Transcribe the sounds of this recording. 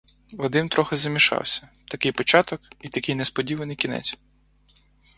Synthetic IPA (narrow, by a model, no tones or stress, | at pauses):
ʋɐd̪ɪnt̪ɾɔxɪzɐmʲiʃɑ̰wsʲɐ̥t̪ɐkɪjpɔt͡ʃɑt̪ɔkit̪ɐkɪjnɛspɔdʲiʋɐnɪjkʲinɛ̰t͡sʲ